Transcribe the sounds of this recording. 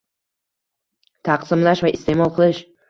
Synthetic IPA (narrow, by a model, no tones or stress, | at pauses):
t̪ʰɑqsɪmlaʃvaɪst̪ʰe̞mɒlˠqʰɨlˠɪʃ